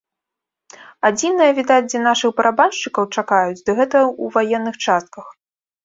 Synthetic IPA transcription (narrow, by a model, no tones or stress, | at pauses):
ad͡zʲinɨjɐvʲid̪ad͡zʲdʲɐnaʂɨxbɐɾʔabanʂt͡ʂɨkɐwt͡ʂakajut͡sʲd̪ɐɣɛt̪ɐuvajɛnːɨxt͡ʂast̪̚kɐx